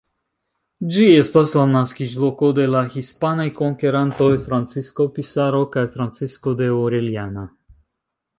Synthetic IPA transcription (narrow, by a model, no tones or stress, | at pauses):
d͡ʒiest̪aslanaskiʒlˠokod̪elaxispanajkoŋkeɾant̪oefɾant̪t͡siskopisaɾokajfɾant̪t͡siskod̪eoɾɛlijana